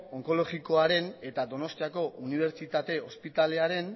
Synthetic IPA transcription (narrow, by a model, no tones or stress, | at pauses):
o̞ŋko̞lo̞ɣiko̞aɾe̞ne̞t̪ad̪o̞no̞st̪iako̞ʔuniβ̞e̞ɾt͡ʃit̪at̪e̞ospit̪ale̞aɾe̞n